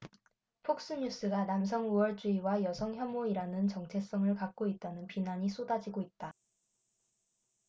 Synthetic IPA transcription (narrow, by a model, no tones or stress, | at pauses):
pʰok̚s͈ɯɲus͈ɯɡanams̬ʰʌŋuʌɭt͡ɕ͈uiwajʌsʰʌŋçjʌmoiɾanɯnt͡ɕʌŋt͡ɕʰe̞s͈ʌŋɯɭkak̚k͈oit̚t͈anɯnpinaɲisʰodad͡ʑiɡoit̚t͈a